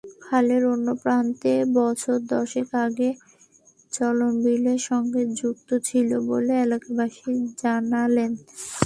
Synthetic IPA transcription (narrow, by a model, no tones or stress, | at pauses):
kʰaleɾonːopɾant̪ebɔt͡ɕʰoɾd̪ɔɾʃekaɡe | t͡ɕɔlonbileɾʃɔŋɡed͡ʑukt̪ot͡ɕʰiloboleelakabaʃid͡ʑanalen